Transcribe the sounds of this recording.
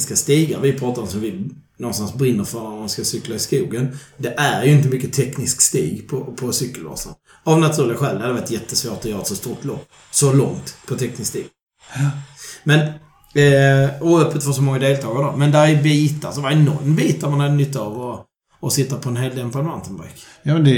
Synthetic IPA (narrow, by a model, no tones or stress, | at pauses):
skast̪iːɡa̰vɪpʰɾɑːt̪aɾɔmsɔmvɪ | nɔnst̪ansbɾɪnːəɾfœɾamanskasʏklaɪskuːɡənd̪ɛʔæɾjɵɪnt̪əmʏkːət̪ʰɛknɪskst̪ḭːɡpʰɔpʰɔsʏkːəlvɑ̰ːsa̰n | avnat̪ʰʉ̟ːɾlɪɡaɧɛld̪had̪ɛvaɾt̪jɛt̪ːəsvoːʈɔjœːɾat̪sɔst̪uɾʈ̪lɔ̰pː | sɔlɔŋt̪pʰɔt̪ʰɛknɪskst̪ḭːɡ | mɛn | ɔœpːət̪fœs̬ɔmɔŋːad̪eːlt̪ʰɑːɡad̪ɔ̰mɛnd̪ɛhæjbiːt̪asɔd̪ɛvaɛnːɔ̰ɾmbiːt̪ːaɾmanhad̪ənʏt̪ːavɔː | sɪt̪ːapʰɔɛnɦeːld̪ɛmpad̪vant̪ənba̰ɾkjɑːmɛnd̪ɛ